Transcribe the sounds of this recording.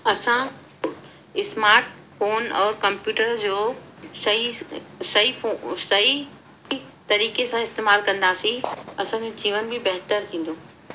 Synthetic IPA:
ɐsã | ɪsmaːɾʈ | foːnɔːɾkɐ̃mpjuːʈəɾd͡ʑoːsɐisɐisɐi | t̪ɐɾiːkesãɪst̪eːmaːlkɐ̃nd̪aːsĩɐsãd͡ʑod͡ʑiːʋənbɪbɐɦt̪əɾt̪ʰĩːn̆d̪oː

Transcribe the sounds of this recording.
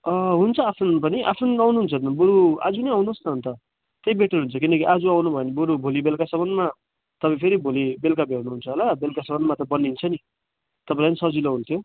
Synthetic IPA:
ʌɦunt͡sʰʌapʰunpʌniʔa̰pʰunawnuɦunt͡sʰʌt̪buɾua̰d͡zunʌjawnusnʌɦːnt̪ʌ | t̪ejbeʈʌrɦunt͡sʰʌkinʌkiʔad͡zuawnubʱʌenibuɾubʱolibelkasʌmʌnma | t̪ʌpaĩpʰeɾibʱolibelkabʱeɾnuɦunt͡sʰʌɦolabelkasʌbʌnmat̪ʌbʌnːint͡sʰʌni | t̪ʌpãĩpʌnisʌd͡ziloɦunt̪ʰjo

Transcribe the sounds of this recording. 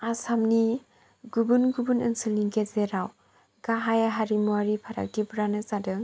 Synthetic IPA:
asamni | ɡubɯnɡubɯnɯnsɯlniɡezeɾaw | ɡ̥aɦajaɦaɾimuwaɾipʰaɾa̰k̚dibɾanɯzadɯŋ

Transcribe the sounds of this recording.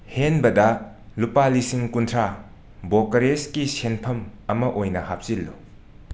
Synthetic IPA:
henbɐdɐ | lupalisiŋkuntʰɾa | bokɐɾeskisenpʰɐmɐmɐʔojnɐhap̚silːu

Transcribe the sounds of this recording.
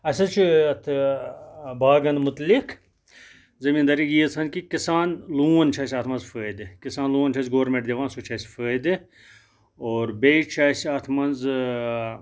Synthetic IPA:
ɐsɐt͡ʃʰiɐt̪ʰ | baːɡɐnmut̪likʰ | zɐmiːnd̪ɐɾijiːt͡sʰɐnʲkikisaːnluːɐnt͡ʃʰɐːsʲɐːt̪ʰmɐnzfəːd̪ɨkisaːnlũːɐnt͡ʃʰɐːsɡoːɾmẽɳʈd̪eʋãːnsut͡ʃʰɐsfəːd̪ɨ | oːɾbeːt͡ʃʰaːsaːt̪ʰmɐnz

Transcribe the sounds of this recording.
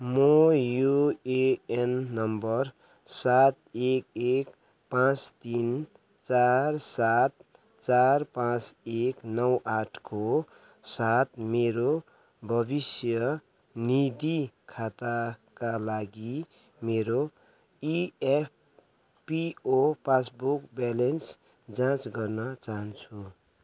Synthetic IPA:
mojueenːʌmbʌr | sat̪ekek | pãt͡st̪in | t͡sarsat̪̚ | t͡sarpãt͡seknʌwaʈʰko | sat̪meɾo | bʱʌbisjʌ | nid̪ikʰat̪akalaɡi | meɾo | iep̚ʰ | piopas̬bukbalens | d͡zãt͡sɡʌrnʌt͡saɦʌnt͡sʰu

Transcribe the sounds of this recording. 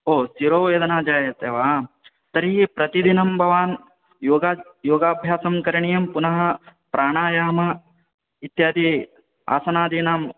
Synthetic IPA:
oːsiɾoːeːd̪ɐnaːd͡ʒaːjɐt̪eːʋaː | t̪ɐɾiɦipɾɐt̪id̪inɐmbʱɐʋaːn | joːɡajoːɡaːbʱjaːsɐmkɐɾɐɳijɐmpunɐɦɐpɾʔaːɳaːjaːmɐ | it̪jaːd̪i | a̰ːsɐnaːd̪iːnaːm

